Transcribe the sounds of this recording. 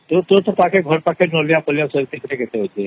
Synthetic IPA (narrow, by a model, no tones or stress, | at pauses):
t̪ot̪ot̪əpakʰeɡʱəɾpakʰenolijapəljasəɾt̪ikəɾeɡet̪eɦot̪e